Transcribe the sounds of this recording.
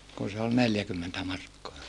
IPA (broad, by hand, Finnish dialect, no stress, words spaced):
kun se ol neljækymːentæ mɑrkːoɑ